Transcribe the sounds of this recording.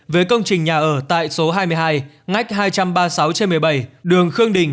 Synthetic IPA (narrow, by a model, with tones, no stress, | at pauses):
vəː˨˦jkə˧wŋ͡mt͡ɕï˨˩ŋ̟ɲaː˨˩ʔəː˧˩t̪a̰ː˧˨jso˨˦ɦaː˧jmɨ˧əjɦaː˧j | ŋa˦˥jk̟̚ɦaː˧jt͡ɕa˧mɓaː˧sa˨˦wt͡ɕe˧nmɨ˨˩əjɓa˧˩jɗɨ˨˩əŋxɨ˧əŋɗḭ̈˧˩ŋ̟